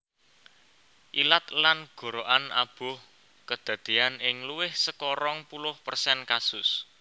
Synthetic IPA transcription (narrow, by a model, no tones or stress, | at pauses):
ʔilat̪lanɡ̥o̤ɾoʔana̰b̥ʊ̤h | kəd̪̥ä̤d̪̥ianɪŋluwɪhsəkɔɾɔŋpulʊhpərsɛnkasʊs